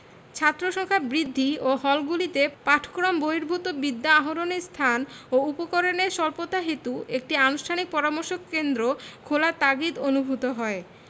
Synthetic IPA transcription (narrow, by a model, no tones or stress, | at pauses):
t͡ɕʰat̪ːɾoʃɔŋkʰabɾid̪ʱːioɦɔlɡulit̪epaʈʰkɾomboiɾbʱut̪obid̪ːaaɦoɾonist̪ʰanoupokoɾoneʃɔlpot̪aɦet̪uek̚ʈianusʈʰanik̚pɔɾamoɾʃokːend̪ɾokʰolaɾt̪aɡit̪onubʱut̪oɦɔe